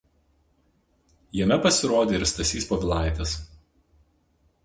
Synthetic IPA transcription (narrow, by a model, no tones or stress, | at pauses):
jɛmʲɛpɐsʲɪɾoːd̪ʲeːɪɾst̪ɐsʲiːspoːʋʲɪlˠɑˑɪt̪ʲɛs